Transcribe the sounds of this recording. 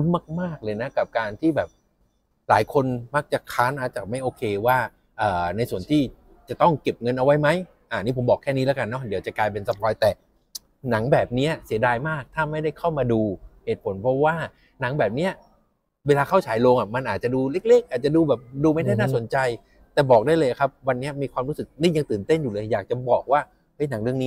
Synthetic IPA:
u˦˥nmaː˥˩k̚maː˥˩k̚lɤː˧jna˦˥ka˨˩p̚kaː˧nt̪ʰiː˥˩bɛː˨˩p̚ | laː˨˩˦jkʰo˧nma˦˥k̚t͡ɕa˨˩kʰaː˦˥nʔaː˧˩t͡ɕaː˨˩k̚ma˥˩jʔoː˧kʰeː˧waː˥˩ | ʔɤː˨˩na˧jsu˨˩ənt̪ʰiː˥˩ | t͡ɕa˨˩t̪ɔ˥˩ŋke˨˩p̚ŋɤ˧nʔa˧wa˦˥jma˦˥j | ʔaː˨˩niː˦˥pʰo˩˦mbɔː˨˩kʰːɛː˥˩niː˦˥lɛː˦˥ka˧nːɔ˦˥di˨˦wt͡ɕa˨˩klaː˧jp̬e˧nsa˧˩t̪̚ʰlɔː˧˦jt̪ɛː˨˩ | na˩˦ŋbɛː˨˩p̚ni˦˥ɐsi˩˦ədaː˧jmaː˥˩k̚t̪ʰaː˥˩ma˥˩jda˥˩jkʰa˥˩wmaː˧duː˧he˨˩t̪̚pʰo˩˦npʰɾɔ˦˥waː˥˩ | na˩˦ŋbɛː˨˩p̚ni˦˥ɐ | weː˧laː˧kʰa˥˩wt͡ɕʰaː˩˦jloː˧ŋʔa˨˩ma˧nʔaː˨˩t̪̚t͡ɕa˨˩duː˧le˦˥˩k̚leː˦˥˩k̚ʔaː˨˩t̪̚t͡ɕa˨duː˧bɛː˨˩p̚duː˧ma˥˩jda˥˩jnaː˥˩so˩˦nt͡ɕa˧j | t̪ɛː˨˩bɔː˨˩k̚daː˥˩jlɤː˧ja˨˩kʰa˦˥p̚wa˧nːi˦˥ɐmiː˧kʰwaː˧mɾu˦˥sɯ˨˩k̚niː˥˩ja˧ŋt̪ɯː˨˩nt̪e˥˩njuː˨˩lɤː˧jjaː˨˩k̚t͡ɕa˨˩bɔː˨˩k̚waː˥˩ | hɤ˦˥˩jna˨˩˦ŋɾɯ˥˧əniː˦˥

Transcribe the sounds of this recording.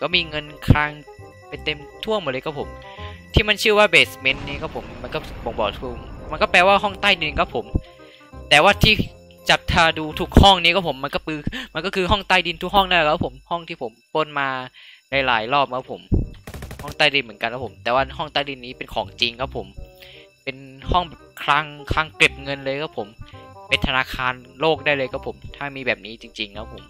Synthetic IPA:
kɔ˥˩miː˧ŋɤ˧nkʰɾaː˧˥ŋ | pa˧jt̪e˧mt̪ʰu˥˩əŋmo˨˩t̚lːka˦˥pʰo˩˦mt̪ʰiː˥˩ma˧nt͡ɕʰɯ˥˩waː˥˩beː˨˩sme˦˥nniː˦˥˩kʰa˦˥˩pʰo˨˩˦mːa˧nkɔː˥˩˨bo˨˧˦ŋbɔː˨˩t̪ʰu˧˩ma˧nkɔː˥˩pɛː˧waː˥˩ɦɔ˥˩ŋt̪aː˥˩jdi˧nkʰa˦˥pʰo˩˦m | t̪ɛː˨˩waː˥˩t̪ʰiː˥˩ | t͡ɕa˨˩p̚t̪ʰaː˧duː˧t̪ʰu˦˥k̚hɔ˥˩ŋniː˦˥kʰa˥˩pʰo˩˦mːa˧nkɔː˥˩pɯː˧ma˧nk̬ɔ˥˩kʰɯː˧ɦɔ˥˩ŋt̪aː˥˩jdi˧nt̪ʰu˦˥k̚hɔ˥˩ŋna˥˩lɛ˨˩a˦˥pʰːo˨˩˦mhɔ˥˩ŋt̪ʰiː˥˩pʰo˩˦mpɤ˧˥˩nmaː˧la˨˦jlaː˩˦jlɔː˥˩p̚kʰa˦˥pʰo̰˨˩˦m | hɔ˥˩ŋt̪aː˥˩jdi˧nmɯ˩˦ə˦nka˧nkʰa˦˥pʰo˩˦mt̪ɛː˨˩waː˥˩ɦɔ˥˩ŋt̪aː˥˩jdi˧nːiː˦˥pe˧nkʰɔː˩˦ŋt͡ɕi˧ŋkʰa˦˥pʰo˨˩˦m | pe˧nhɔ˥˩ŋbɛː˨˩p̚kʰla˦˥ŋkʰa˦˥˩ŋkli˨˩p̚ŋɤ˧nlɤː˧jkʰa˦˥˩pʰo˨˩˦mpe˧nt̪ʰa˧naː˧kʰaː˧nloː˥˩k̚daː˥˩jlɤː˧jka˦˥pʰo˩˦mt̪ʰaː˥˩miː˧bɛː˨˩p̚niː˦˥t͡ɕi˧ŋt͡ɕi˧ŋkʰa˦˥pʰo˩˦m

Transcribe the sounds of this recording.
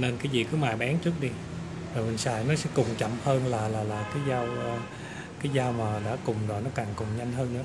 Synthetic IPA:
ne˧nkaː˨˦jzḭ˨˩kɨ˨˦maː˨˩jɓaː˨˦nt͡ɕɨ˦˥ək̚ɗi˧ | vɔː˨˩mï˨˩ŋ̟saː˨˩jnɔ˨˦sɛ̰˧˥kʊ˨˩ŋ͡mt͡ɕə̰˧˨mhəː˧nlaː˨˩laː˨˩la̰ː˨jkaː˨˦jzaː˧wəː˧ | kaː˨˦jzaː˧wmaː˨˩ɗa̰ː˧˥kʊ˨˩ŋ͡mzɔː˨˩nɔ˨˦kaː˨˩ŋkʊ˨˩ŋ͡mɲa˧jŋ̟ɦəː˧nnɨ̰˧˥˦

